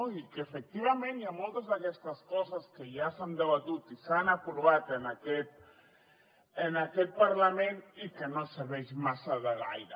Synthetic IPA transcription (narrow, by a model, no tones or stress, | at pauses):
oikeːfek̚t̪iβamẽnjamolˠt̪əzðakɛst̪əskɔzaskejasand̪eβat̪ut̪isanakuɾβat̪enakɛt̪̚ | enakɛt̪̚paɾlamenikenoseβɛʃmasaðeɣa̰jɾa